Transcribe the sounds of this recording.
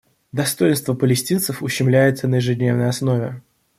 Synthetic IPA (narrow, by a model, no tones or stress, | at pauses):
d̪ɐst̪o̞jɪnst̪vəpəlʲɪsʲtʲint̪səfʊɕːɪmlʲæjɪt̪sənəjɪʐɨdʲnʲe̞vnəjɐsno̞vʲɪ